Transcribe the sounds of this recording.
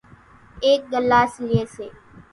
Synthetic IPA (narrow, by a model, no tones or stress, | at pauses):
eːk̚ɡəlːaːslɪeːseː